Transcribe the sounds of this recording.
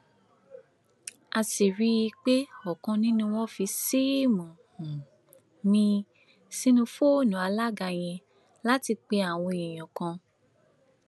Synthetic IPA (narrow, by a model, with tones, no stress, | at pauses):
a˧si˨ɾi˦i˧k͡pe˦ɔ˨kã˧nĩ˦nũ˦w̃ɔ̃˦fi˧si˦mɔ̃˨hũ˨ | nĩ˧ | sĩ˦nũ˧fo˦˨nũ˨a˧la˦ɡa˧j̃ɛ̃˧ | la˦ti˧k͡pe˧a˨w̃ɔ̃˧˨i˨j̃ɔ̃˨kã˧